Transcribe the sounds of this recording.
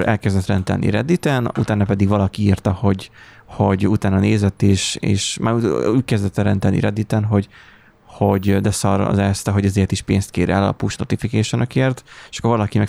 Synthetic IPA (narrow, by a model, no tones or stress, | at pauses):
ʔɛ̰lkɛzd̪ɛt̪rɛnt̪ɛ̰lnḭɾɛd̪it̪ɛnut̪aːnːɒpɛd̪iɡvɒlɒkiirt̪ɒho̞ɟho̞ɟut̪aːnɒneːzɛt̪ːeːʃḛːʃmaːɾuuːc̚kɛzd̪ɛt̪ːɛɾɛnt̪ɛlnḭɾɛd̪ːit̪ɛnɦo̞ɟ | ho̞ɟd̪ɛsɒɾɒ̰zɛst̪ɛɦo̞ɟɒzeːrt̪iʃpeːnst̪keːɾɛ̰lɒ̰puʃno̞̰t̪ifikɛːʃonɒkeːrt̪eʃɒ̥kːoɾvɒlɒkimɛ